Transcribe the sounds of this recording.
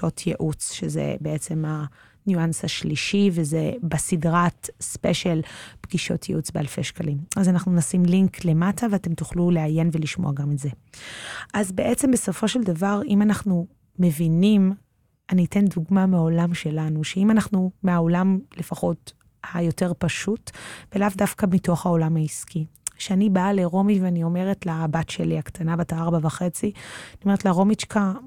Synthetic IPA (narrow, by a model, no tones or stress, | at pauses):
otʰjeʔut͡sʃezḛbeʔet͡se̞ma | njuansaʃliʃivezebasidʁatspeʃelbɡiʃo̞tʰjeʔut͡sbealfe̞̰ʃkalimazanaχnunasimliŋkle̞mataveate̞mtuχluleaje̞nveliʃmo̞̰aɡametze | ʔazbe̞ʔet͡sembeso̞fo̞ʃeldavaʁimanaχnu | me̞vinim | anite̞nduɡmameao̞lamʃe̞lanuʃeimanaχnumeao̞lamle̞faχo̞t | hajo̞te̞ʁpaʃutvelavdafkamito̞χhao̞lamhaiskʰiʃeanibaːleʁo̞miveanio̞me̞ʁetlabatʃe̞̰liaktʰanabataaʁbavaχe̞t͡sianioe̞ʁetlaʁo̞mit͡ʃkʰa